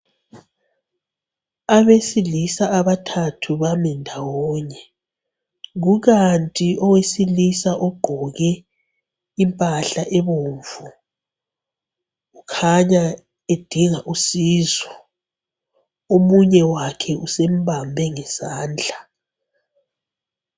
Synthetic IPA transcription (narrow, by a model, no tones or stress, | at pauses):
aβesilisaaβatʰatʰuβamɛndʱawɔːɲɛ | ɣuɣantʼiʔɔwesilisaʔɔɡ͡ǃ̥ʱɔɣɛ | impʼaɬaʔɛβoɱvu | ɣukʰaɲa | ed̥ʱiŋaʔusiːzɔ | omuɲɛwakʰɛʔusem̩βambʱɛŋɛsaːnd͡ɮʱa